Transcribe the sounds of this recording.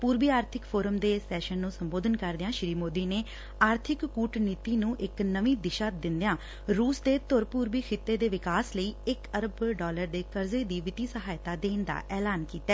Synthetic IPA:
puːɾbiːaːɾt̪ʰɪkpʰoːɾəmd̪eːsɛːʃənːũːsəmboːd̪ənkəɾd̪ɪjãːʃɾiːmoːd̪iːneː | aːɾt̪ʰɪkːuːʈniːt̪iːnũːʔɪknəʋĩːd̪ɪʃaːd̪ɪnd̪ejãː | ɾuːsd̪eːt̪ʊɾpuːɾbiːkʰɪt̪ːeːd̪eːʋɪkaːsləiːɪkəɾəbɖɔːləɾd̪eːkəɾzeːd̪iːʋɪt̪iːsəɦaːjt̪aːd̪eːnd̪a̰ːʔɛːlaːnkiːt̪aɛː

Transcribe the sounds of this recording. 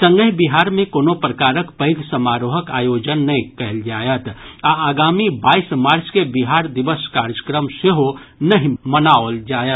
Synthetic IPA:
sə̃ŋɡəɦbiɦaːɾmẽkoːnopɾəkaːɾəkpəɦiɡsəmaːɾoːɦəkaːjoːd͡ʒənːəĩkɐɦld͡ʒaːjət̪aaːɡaːmibaːismaːɾskebiɦaːɾd̪ɪʋəskaɾjəkɾəmseɦonəɦĩmənaold͡ʒaːjət̪

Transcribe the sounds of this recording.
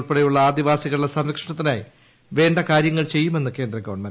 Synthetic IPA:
ɭpeɽejuɭːɐaːd̪iʋaːsiɣɐɭiɭɐsɐmɾɐkʂɐɳɐt̪ːinaːji | ʋe̞ːɳɖɐkaːɾjɐŋːɐɭt͡ɕe̞jːume̞nːɨke̞ːnd̪rɐɡɐʋɐɳmɐɾ

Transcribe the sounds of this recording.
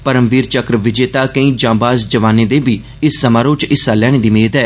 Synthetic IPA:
pəɾəmʋiːɾt͡ʃəkɾəʋɪd͡ʒeːt̪aːkə̃ĩːd͡ʒãːbaːsd͡ʒəʋaːneːd̪eːbiː | ɪsːəmaːɾõːt͡ʃɪsːaːlɛːɽẽːd̪iːmeːd̪ɛː

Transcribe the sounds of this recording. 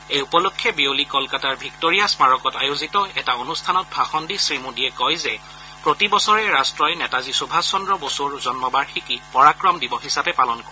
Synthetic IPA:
ejupɔlokʰːjɛbiolikɔlkataɹbʱiktoɹiasmaɹɔkɔtajozitɔɛtaonustʰanɔt̚bʱaxɔndisɹimudiɛkɔjzɛ | pɹotibɔsɔɹɛɹastɹɔjnɛtazisubʱasɔndɹɔbosoɹzɔnmɔbaɹxikipɔɹakɹɔmdibɔɦisapɛpalɔnkɔɹɛ

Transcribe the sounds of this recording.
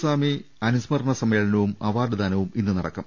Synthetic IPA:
saːmi | ɐnusmɐrɐɳɐsɐmeːɭɐnɐʋumɐʋaːɖɨd̪aːnɐʋuminːɨnɐɽɐ̰kːɐ̰m

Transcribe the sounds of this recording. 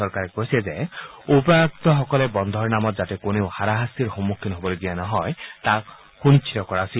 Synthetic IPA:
ɔɾkaɾekɔɦisezeopɔak̚t̪ɔɦɔkɔlebɔnd̪ʱɔɾnamɔt̪̚d͡ʒatekonewhaɾaɦasiɾɦɔmːukʰːinɔɦobɔleɡijanɔɦɔet̪a | kuñit͡ʃʰit̪ɔkɔɾasi

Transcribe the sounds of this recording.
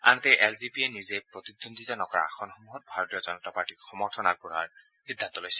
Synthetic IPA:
a̰ntejʔɛlzipienizejpɹɔt̪id̪ːond̪itɔnɔkɔɹa̰a̰xʰɔnxɔmuɦɔt̚bʱaɹɔt̪ijɔzɔnɔtapaɹtikxɔmɔɹtʰɔnak̚buɹa̰ɹ | xid̪ʱːant̪ɔlojsɛ̥

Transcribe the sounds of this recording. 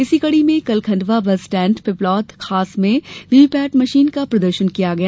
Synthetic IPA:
ɪsikɐɽimẽkɐlkʰɐ̃ɳɖʋabɐsʈɛ̃ːɳʈpɪplɔːt̪xʰaːsmẽʋiːpɛːʈmɐʃiːnkapɾɐd̪əɾʃənkijaɡɐjaː

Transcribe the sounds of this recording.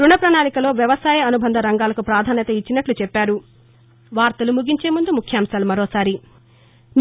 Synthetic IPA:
ɾuɳɐpɾɐnaːnikɐlo̞ːʋjɐʋɐsaːjɐɐnubʱɐnd̪ʱɐɾɐŋɡaːlɐkupɾaːd̪ʱaːnjɐt̪ɐit͡ʃːinɐʈlut͡ʃɛpːaːɾu | ʋaːɾt̪ɐlumuɡiɲt͡ʃe̞ːmund̪umukʰjaːmsaːlumɐɾo̞ːsaːɾi | n

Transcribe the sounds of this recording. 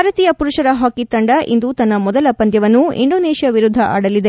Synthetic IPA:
aːɾɐt̪iːjɐpuɾuʂɐɾɐɦaːkit̪ɐɳɖɐʔḭnd̪ut̪ɐnːɐmɔd̪ɐlɐpɐnd̪jɐʋɐnːuḭɳɖoːneːʃijɐʋiɾud̪ʱːɐʔa̰ːɽɐlːid̪e

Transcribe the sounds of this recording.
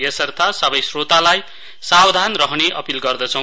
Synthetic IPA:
jesʌrt̪ʰasʌbʌjsrot̪alaj | sawd̪ʱanrʌɦneʔʌpilɡʌrd̪ʌt͡sʰʌw̃

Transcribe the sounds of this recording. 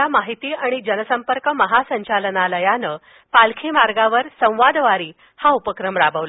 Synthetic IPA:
amaɦit̪iːaɽ̃id͡ʑənəsəmpəɾkəməɦasəɲt͡ɕalənaləjanə | palkʰimaɾɡaʋəɾsə̃w̃ʋad̪ʋaɾiː | haupəkɾəmɾabʱəʋl

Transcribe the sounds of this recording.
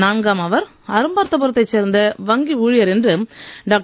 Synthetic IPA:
naːnɡaːmɐʋɐɾ | ɐɾɯmbaːɾt̪ːɐp̬ɔɾɯt̪ːɐɪt͡ʃːeːɾnd̪ɐʋɐŋɡiuːɻɪjɐɾɛndrɯɖaːk̚ʈ

